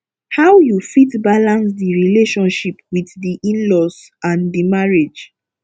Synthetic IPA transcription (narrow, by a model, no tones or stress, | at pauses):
hawjufitbalãnsdiɹileʃɔ̃nʃipwiθdiʔĩnlɔst | ãndimaɹed͡ʒ